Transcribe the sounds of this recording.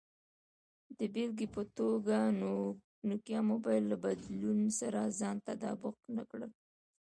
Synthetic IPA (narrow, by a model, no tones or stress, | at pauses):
d̪əbelɡipət̪oɡa | nokjɑmobɑjlːabad̪lunsaɾazɑnt̪ad̪ɑbʊq̚nakɽəl